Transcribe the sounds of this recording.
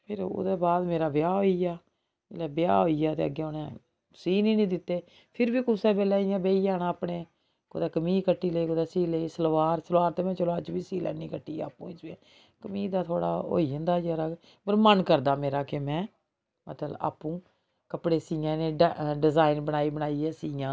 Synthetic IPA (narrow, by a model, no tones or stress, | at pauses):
pʰɪɾo̰ːd̪eːbaːd̪meːɾaːbɪjaːɦoːiːja̰ː | lɛːbɪja̰ːɦoːiːaːt̪ḛːə̰ɡːeːʊnɛ̃ː | siːnĩːnĩːd̪ɪt̪ːeː | pʰɪɾbiːkʊsɛːbɛːlɛːɪjãːbeːijaːnãːpɳeː | kod̪ɛːkəmiːkəʈːiːləiːkod̪aːsiːliːsəlʋaːɾsəlʋaːɾt̪eːmɛ̃ːt͡ʃəlaːt͡ʃbiːsiːlɛ̰ːnːĩːkəʈːiːa̰ːaːpːṵ̃ːɪsẽː | kəmiːd̪aːt̪ʰoːɽa̰ːo̰ːiə̃nd̪aːjəːɾaː | pəɾmənkəɾd̪aːmeːɾaːkemɛ̃ː | mət̪ləba̰ːpːũː | kəpɽeːsiːjãːnẽːɖɪzaːɪnbənaːiːbənaːiɛːsiːjãː